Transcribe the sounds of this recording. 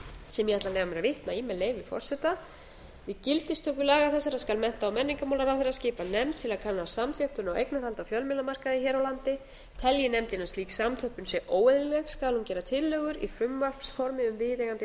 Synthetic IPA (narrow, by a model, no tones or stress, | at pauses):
sɛmjɛhat̪lalɛːɣvamɛnavɪht̪naimɛlːeːjvɪfɔ̰r̥sɛt̪a | vɪcɪlt̪ɪst̪ʰœːkʏlaːɣaθɛsːaɾaskalmɛn̥t̪aɔwmɛnːiŋkamaːwlaɾawfeɾascɪːpanɛmt̪ʰːɪlaðkʰanːasamθjœhpʏnawejknaθhalt̪afjœlmɪlamar̥kaðɪçɛːɾawlant̪ɪ | t̪ʰɛljɪnɛmt̪ɪnasliːksamθʰœhpʏnsjɛʔoːwɛðɾɪlɛxskalhuncɛːɾat̪ʰɪlːœːɣʏɾifʏmːar̥psfɔɾmɪʏmvɪðeɣant̪ɪ